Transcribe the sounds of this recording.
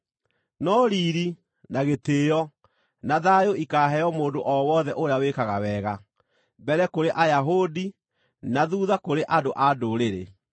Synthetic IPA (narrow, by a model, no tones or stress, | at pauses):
nɔɾiɾi | naɣeteːjɔ | naðajoikaːɦɛjɔmoːndoʔɔwɔðɛʔoɾejawekaɣawɛɣa | bɛɾɛkoɾeʔajaɦodi | naðuːðakoɾeʔadoʔadoɾeɾḛ